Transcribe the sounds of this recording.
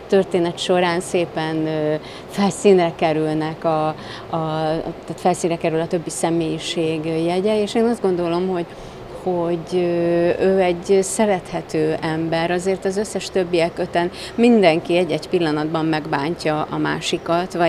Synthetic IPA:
t̪ø̞rt̪eːnɛt̪ʃo̞ɾaːnseːpɛnø | fɛlsiːnrɛkɛɾylnɛkɒ | ɒt̪at̪fɛlsiːnrɛkɛɾylɒt̪ø̞bːisɛmeːjiʃeːɡjɛɟɛeːʃeːnɒzd̪̚ɡo̞nd̪o̞lo̞mho̞ɟ | ho̞ɟøøːɛɟːsɛɾɛt̪hɛt̪øːʔɛmbɛɾɒzeːrt̪ɒzø̞sːɛʃt̪øbːijɛkøt̪ɛn | mind̪ɛŋkiɛɟːɛɟpilːɒnɒd̪bɒmːɛɡbaːɲcɒʔɒma̰ːʃikɒt̪vɒ

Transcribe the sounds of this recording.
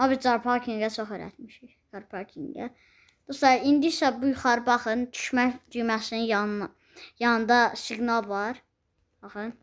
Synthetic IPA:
ɑbiɾd͡ʒɑɾpʰɑʁkʰiŋɡæt͡ʃʰoxeɾæ̰t̪miʃiçd͡ʒɑɾpʰɑkʲʰiŋɡæ̰ | d̪̥oslˠɑɾind̪isæbujuχɑɾɯbɑχɯnd̪ʰy̥ʃmæçd̪yjmæsininjɑ | jɑnɯnd̪ɑsiɡnɑlˠvɑɾ | bɑxɯn

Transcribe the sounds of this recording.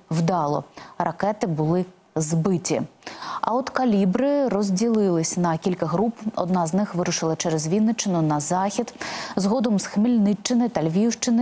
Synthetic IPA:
wd̪ɑlˠɔ̰rɐkɛt̪ɪbʊlˠɪ | zbɪtʲḭɐ̰ɔt̪kɐlʲibɾɪɾɔzʲdʲilˠɪlˠɪsʲnɐkʲilʲkɐɦɾupɔ̰d̪nɑznɪxʋɪɾʊʃɪlˠɐt͡ʃɛɾɛzʋʲid̪nɔt͡ʃːɪnʊnɐzɑxʲid̪zɦɔd̪ɔmsxmilʲnɪt͡ʃt͡ʃːɪnɪt̪ɐlʲʋʲiwʃt͡ʃɪnɪ

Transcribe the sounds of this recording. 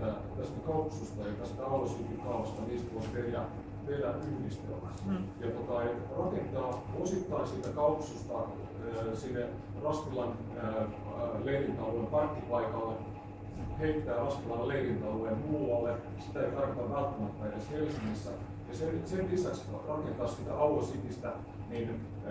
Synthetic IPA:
æ | t̪æst̪ækɑupsust̪ɑjɑt̪æst̪æɑʋɑlːˑisuːt̪ikɑuʋɑst̪ɑniːst̪uoperjæ | ʋelæyhnist̪ø̰sjɑt̪ot̪ɑerɑkent̪ɑːosit̪ːɑinsiːt̪ækɑuksust̪ɑ̰ | sinːe | rɑsk̪ilːɑn | leirint̪ɑlːoempɑrk̪ːipɑikɑlːe | heit̪ːæːrɑsk̪ilɑnleirint̪ɑloemulɑlːe | sit̪æeit̪ɑrkot̪ɑʋʋælt̪ːæmæpæijæshelsiŋːisːæ | jɑsensellisæksrɑkent̪ɑssit̪æɑlosit̪ist̪æ | niːn

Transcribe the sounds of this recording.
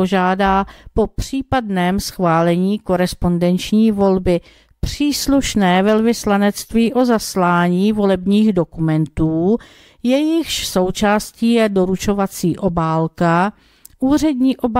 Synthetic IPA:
oʒaːdaːpo̞pr̝̥iːpadnɛːmsxvaːlɛɲiːko̞ɾɛspo̞ndɛnt͡ʃɲiːvo̞lbɪ | pr̝̥iːsluʃnɛːvɛlvɪslanɛt͡st̪viːʔo̞zaslaːɲiːvo̞lɛbɲiːɣdo̞kumɛnt̪uː | jɛjɪxʃso̞wt͡ʃaːsciːjɛdo̞ɾut͡ʃo̞vat͡siːʔo̞baːlka | ʔuːr̝ɛdɲiːʔo̞b

